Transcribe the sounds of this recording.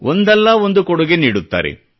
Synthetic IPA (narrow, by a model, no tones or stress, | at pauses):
ʔond̪ɛlːɐond̪ukɔɽuɡeniːɽut̪ːa̰ːɾḛ